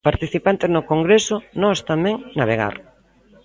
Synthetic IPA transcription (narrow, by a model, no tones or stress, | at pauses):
paɾt̪iθipant̪eznʊkoŋɡɾesʊnɔst̪amɛ̃ŋnaβ̞eɣ̞a̰ɾ